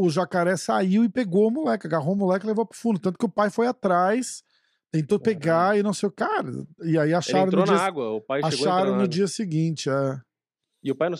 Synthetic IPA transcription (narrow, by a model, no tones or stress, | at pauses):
ʊʒakaɾɛsaiwɪpeɡowmulɛkɪɐɡaɦomulɛkɪlevowpɾʊ̥fũnd̪ʊt̪ɐ̃t̪ʊ̥kɪʊpajfojat̪ɾajs | t̪ẽnt̪opeɡaɪnɐ̃w̃sejkaɾɐ̰ɪaiaʃaɾɐ̃t̪nod͡ʒ̪iɐaɡwɐʊpajʃaʃoaɾɐ̃w̃nʊd͡ʒiɐsɪɡĩt͡ʃɪɛ | ɪʊpajnɐ̃